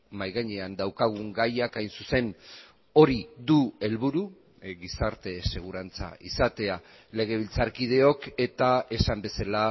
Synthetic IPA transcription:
majɣaɲeand̪awkaɣ̞uŋɡajakajnsuse̞n | o̞ɾiðue̞lβuɾu | ɣisaɾt̪e̞se̞ɣ̞uɾant͡sa̰isat̪e̞a | le̞ɣ̞e̞βilt͡saɾkið̞e̞o̞ke̞t̪ae̞sambe̞sala

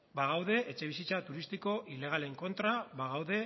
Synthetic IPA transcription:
baɣawðe̞ʔet͡ʃe̞β̞isit͡sat̪uɾist̪iko̞ʔile̞ɣ̞ale̞ŋko̞nt̪ɾabaɣ̞awðe̞

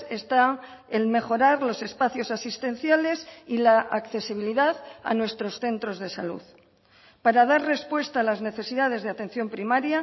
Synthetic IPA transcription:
est̪aŋ | elme̞xo̞ɾaɾlo̞se̞spaθjo̞sasist̪ẽ̞n̟θjale̞silaʔakθe̞siβ̞iliðaða̰nwe̞st̪ɾo̞sθe̞nt̪ɾo̞zðe̞salṵð | paɾað̞aɾre̞spwe̞st̪aːlazne̞θe̞siðað̞e̞zðeat̪ẽ̞n̟θjo̞mpɾimaɾja

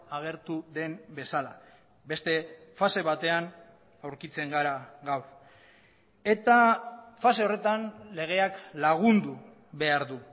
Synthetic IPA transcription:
aɣ̞e̞ɾt̪uðe̞mbe̞sala | be̞st̪e̞fase̞βat̪e̞an | awɾkit͡se̞ŋɡaɾaɣawð | e̞t̪afase̞o̞re̞t̪anle̞ɣ̞e̞aklaɣ̞und̪u | βe̞aɾðu

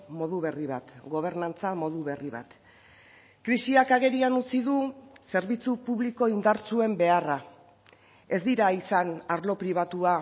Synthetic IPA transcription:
mo̞ðuβe̞riβ̞at̪ɡo̞β̞e̞ɾnant͡samo̞ðuβe̞riβa̰t̪ | kɾisiakaɣe̞ɾianut͡siðuse̞ɾβit͡supuβliko̞ind̪aɾt͡sue̞mbe̞ara | e̞zd̪iɾaisanaɾlo̞pɾiβ̞at̪ua

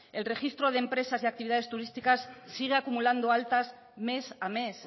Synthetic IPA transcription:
e̞lre̞xist̪ɾo̞ð̞empɾe̞sasiak̚t̪iβiðaðe̞st̪uɾist̪ikasːiɣ̞eakumuland̪oalt̪az | me̞same̞s

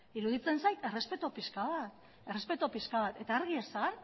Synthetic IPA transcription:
iɾuðit͡se̞nsajt̪e̞re̞spe̞t̪opiskaβat̪ | e̞re̞spe̞t̪opiskaβat̪e̞t̪aːɾɣiesan

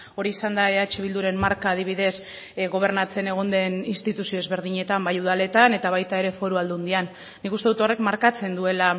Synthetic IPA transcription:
o̞ɾiisand̪aeat͡ʃiβild̪uɾe̞mmaɾkaːðiβiðe̞s | ɣo̞β̞e̞ɾnat͡se̞ne̞ɣ̞o̞nd̪e̞ninst̪it̪usio̞ezβe̞ɾðiɲe̞t̪ambajuð̞ale̞t̪ane̞t̪aβajt̪ae̞ɾe̞fo̞ɾuald̪uund̪ianː | ikust̪e̞ðut̪o̞re̞kmaɾkat͡se̞nd̪ue̞la

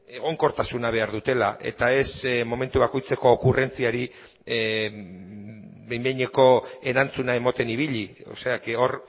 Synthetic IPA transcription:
e̞ɣ̞o̞ŋko̞ɾt̪asunaβ̞e̞aɾðut̪e̞laʔe̞̰t̪ae̞smo̞me̞nt̪uβ̞ako̞jt͡se̞ko̞ːkure̞nt͡siaɾi | bejmbejɲeko̞e̞ɾant͡sunae̞mot̪e̞niβiʎio̰se̞akeo̞r

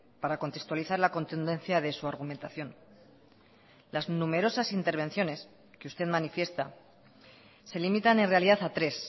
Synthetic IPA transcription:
paɾako̞nt̪e̞kst̪waliθaɾlako̞nt̪und̪e̞nθjaðe̞suaɾɣ̞ument̪aθjo̞n | laznume̞ɾo̞sasint̪e̞ɾβ̞ẽ̞nθjo̞ne̞s | keust̪e̞ðmanifje̞st̪a̰ | e̞limit̪ane̞nre̞aliðaθat̪ɾe̞s

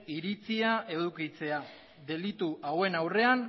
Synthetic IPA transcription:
iɾit͡siae̞ð̞ukit͡se̞a | ðe̞lit̪uʔawe̞nawre̞an

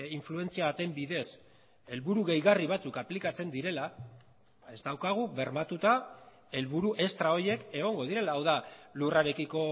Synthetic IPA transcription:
iɱflue̞nt͡siaβat̪e̞mbiðe̞s | e̞lβuɾuɣe̞jɣariβ̞at͡sukaplikat͡se̞nd̪iɾe̞la | ae̞zd̪awkaɣ̞uβe̞ɾmat̪ut̪a | e̞lβuɾuʔe̞st̪ɾao̞ɾje̞ke̞ɣ̞o̞ŋɡo̞ðiɾe̞laːwðaluraɾe̞kiko̞

